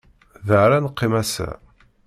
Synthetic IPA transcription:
ðəʕɾanəqːɪmæsæ̰

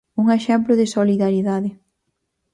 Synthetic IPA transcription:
uŋeʃɛmplʊðɪsoliðaɾiðaðɪ

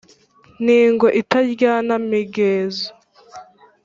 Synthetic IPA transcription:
niːŋɡo̞ʔitaɾɟaːnamiɡeːzo

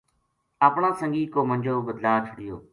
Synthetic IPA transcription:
əpɳãːsəŋɡiːkoːmənʲd͡ʒoːbəd̪laːt͡ʃʰəɽɪjoː

